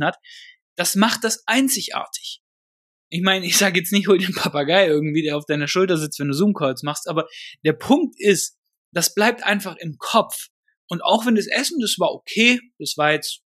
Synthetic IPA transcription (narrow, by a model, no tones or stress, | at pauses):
nhat | d̥asmaχt̚d̥asʔaɪnt͡sɪçʔa̰ːɐtʰɪ̥ç | ʔɪçmaɪnɪçz̥aːɡəjɛt͡snɪçhoːldenpʰapaɡaɪʔɪɐɡŋ̩tv̥iːdeːɐaʊfd̥aɪnɐʃʊltɐzɪt͡stv̥ɛnduːzuːmkʰɔʏt͡smaχstʔaːbɐd̥eːɐpʰʊŋk̚tʔɪst | d̥asb̥laɪp̚tʔa̰ɪnfaχɪmkʰɔp͡f | ʔʊnta̰ʊxv̥ɛnduasʔɛsn̩dastv̥aːɐʔokʰeːd̥asv̥aːɐjɛt͡st